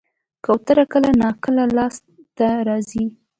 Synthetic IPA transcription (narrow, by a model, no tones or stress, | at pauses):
kawt̪əɾakəlanɑkəlalɑs | t̪aɾɑzi